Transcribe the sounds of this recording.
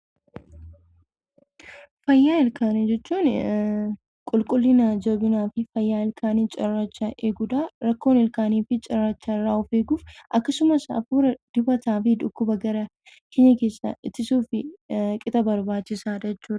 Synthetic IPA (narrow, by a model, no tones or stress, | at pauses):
fɐjːaːɪlkaːnɪd͡ʒɛt͡ʃːuːn | kʼʊlkʼʊlːɪnɐd͡ʒobɪnaːfɪfɐjːaːɪlkʰaːniːt͡ʃʼɐrːaːt͡ʃːɐʔeːɡʊd̪aːɾɐkːo̞ːnɪlkaːniːfɪt͡ʃʼɐrːaːt͡ʃːaɪrːaːʊfeːɡuːfʔɐkːɐsʊmɐsɐ̰fuːɾɐd̪̥ɪbɐt̪aːfɪᶑ̪ʊkːʊbɐɡɐɾɐ | keɲːɐke̞ːsɐ̰ʔɪt̪ːɪsuːfɪkʼɪt̪ʼɐbɐɾbaːt͡ʃːɪsaːd͡ʒɛt͡ʃːuːᶑɐ̥